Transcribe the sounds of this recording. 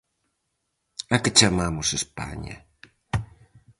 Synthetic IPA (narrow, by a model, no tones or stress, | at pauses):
akət͡ʃamamusespa̰ɲa̰